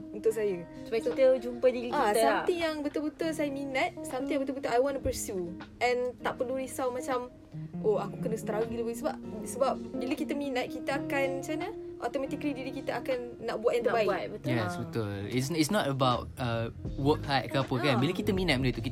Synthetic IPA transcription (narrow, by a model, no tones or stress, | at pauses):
unt̪ʊʔsajə | səbaid͡ʒumpədiiasamijaŋbət̪ʊlbət̪ulsajəminat̪̚samt̪ijãbət̪ulbət̪uʔajwɔ̃ntupəɾsjuʔɛ̃nt̪aʔpəluɾisawmãt͡ʃam | oakukənəst̪ɾaɡiləbis̬əbap̚səbap̚biləkit̪əmĩnat̪̚kit̪aakant͡ʃanaʔɔt̪ɔmat̪iklidiɾikit̪aakanːaʔ̚buat̪ɛ̃nt̪əbaiat̚bət̪ʊjɛsbət̪ʊlisitsnɔtəbaʊt̚əwəkhat̚kəapəkanbiləkit̪əmĩnat̚mələt̪uki